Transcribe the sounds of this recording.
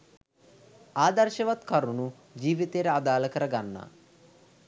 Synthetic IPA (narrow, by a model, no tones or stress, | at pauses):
aːd̪ɐɾʃɐʋɐt̪kɐɾunu | d͡ʒiːʋit̪eːɾead̪aːlɐkəɾɐɡanːa̰